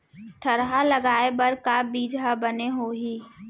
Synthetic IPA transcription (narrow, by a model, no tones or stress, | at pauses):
ʈʰəɾɦaləɡaːebəɾkabiːd͡ʒabəneɦoːɦiː